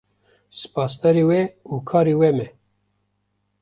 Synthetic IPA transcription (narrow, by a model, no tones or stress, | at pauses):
sɨ̥pɑːst̪ɛɾiːwɛukʰɑːɾiːwɛmɛ